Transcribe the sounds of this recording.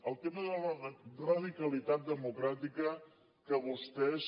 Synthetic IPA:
əlˠt̪eməðəlɣərəðikəlit̪at̪̚d̪əmukɾat̪ikə | kəɣust̪ɛʃ

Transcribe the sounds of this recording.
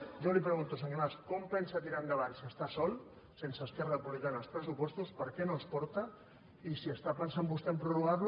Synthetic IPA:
ʒolipɾəɣunt̪usaŋklaskɔmpɛnsət̪iɾand̪əβaɲsiəst̪asɔlˠ | sensəːskɛrəpuβlikanəlˠspɾəs̬upɔst̪uspəɾkɛnoəspɔɾt̪ə | isiəst̪apənsambust̪ɛmpɾuruɣaɾl

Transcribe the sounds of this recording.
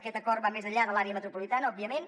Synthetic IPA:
kɛt̪əkɔrt̪bamezəʎaðəlaɾeəmət̪ɾupulit̪anəɔb̚iəmen

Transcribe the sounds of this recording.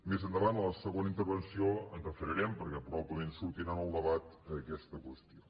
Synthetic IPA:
mezənd̪əβand̪ələsəɣonəint̪̬əɾβənsioənrəfəɾiɾɛmpəɾkɛpɾuβabləmensuɾt̪inənəlˠd̪əβat̪̚əkɛst̪əkwəst̪io

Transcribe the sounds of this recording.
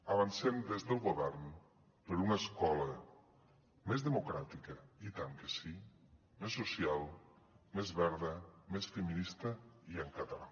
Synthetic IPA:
əβ̞ənsɛmd̪ezðəlˠɣoβɛɾn | pəɾunəskɔlə | mezðəmokɾat̪ikəit̪aŋkəsi | mesːusjalˠ | mezβɛɾðəmesfəminist̪əiəŋkət̪ala̰

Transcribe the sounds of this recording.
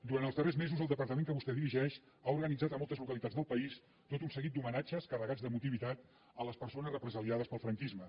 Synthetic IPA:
d̪uɾant̪lˠzðərezmezuzəlˠd̪əpəɾt̪əmeŋkəβust̪ɛðiɾiʒɛʃ | auɾɣənid͡zat̪əmolˠt̪əzlukəlit̪ad͡zðəlˠpəis | t̪ot̪unsəɣit̪̚d̪umənad͡ʒəskərəɣad͡zd̪əmut̪iβit̪at̪ | ələspəɾsonəzrəpɾəzəliaðəspəlˠfɾəŋkizmə

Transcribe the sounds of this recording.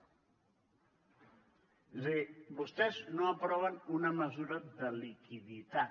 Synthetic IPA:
zebost̪ɛznoapɾɔβanunaməzuɾaðəlikiðit̪a

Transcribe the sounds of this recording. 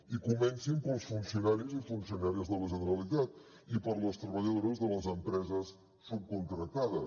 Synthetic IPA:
ikumɛnsimpəlˠsfunsiunaɾizifunsiunaɾiəzðələʒənəɾəlit̪at̪̚ | ipəɾləst̪ɾəβəʎəðoɾəzðələzəmpɾɛzəs | sup̚kunt̪ɾət̪aðə

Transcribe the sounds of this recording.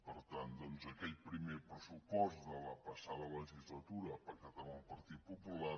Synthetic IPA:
pəɾt̪and̪ɔnzəkɛʎpɾimepɾəsupɔzd̪ələpəsaðələʒizlət̪uɾəpək̪at̪aməlˠpəɾt̪it̪̚pupula

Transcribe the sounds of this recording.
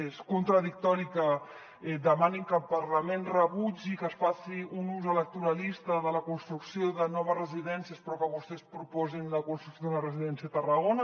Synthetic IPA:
eskunt̪ɾəðikt̪ɔɾikə | ɛd̪əmaniŋkəlpaɾlamenrəβud͡ʒikəsfasiunuzələk̚t̪uɾalist̪əðələkunst̪ɾuksjoðənɔβ̞əzrəziðɛnsjiəspɾɔkəβust̪ɛspɾupɔzinləkunst̪ɾuksjoðunərəziðɛnsiat̪əraɣona

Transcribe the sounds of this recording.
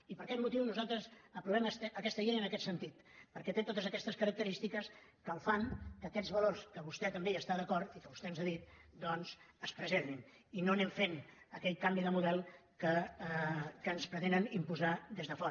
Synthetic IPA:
ipəɾkɛt̪̚mut̪iwnuzalˠt̪ɾəzəpɾuβ̞ɛməsʔəkɛst̪əʒenənəkɛt̪sənt̪it̪pəɾkɛt̪et̪ot̪əzəkɛst̪əskəɾək̚t̪əɾist̪ikəs | kəwfankəːkɛzβəloɾskəβust̪ɛt̪əmbeəst̪aðəkɔɾt̪ikəβust̪ɛnzəðit̪̚d̪ɔnzəspɾəzeɾβin | inonɛmfen | əkɛʎkambiðəmuðɛlˠ | kə | kənspɾət̪end̪ənimpuzaðezðəfɔ

